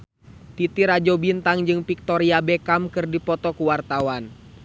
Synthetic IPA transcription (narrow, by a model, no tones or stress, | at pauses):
t̪it̪iɾad͡ʒɔbint̪aŋd͡ʒɨŋpik̚t̪ɔɾiabɛkamkɨrdipɔt̪ɔkuwart̪awan